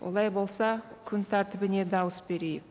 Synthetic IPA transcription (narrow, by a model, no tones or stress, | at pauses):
wʔo̰lˠɑjbo̞lˠsɑkʲʰʏnt̪ʰæɾt̪ɪbɪne̞d̪ɑwəsbe̞ɾe̞jɪk